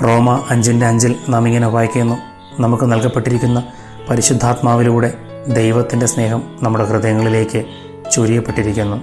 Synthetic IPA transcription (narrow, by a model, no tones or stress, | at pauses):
ro̞ːmɐɐɲd͡ʑinde̞ɐɲd͡ʑilnaːmiŋːɐneubʱaːjikʲːuenːu | nɐmukːɨnɐlkɐpːe̞ʈːiɾikʲːunːɐ | pɐɾiɕud̪ʱːaːt̪maːʋiluːɽe̞ | d̪e̞jʋɐt̪ːinde̞sne̞ːɦɐmnɐmːuɽe̞krɨðɐjɐŋːɐɭile̞ːkʲːɨ | t͡ɕoːɾijɐpːe̞ʈːiɾikʲːunːu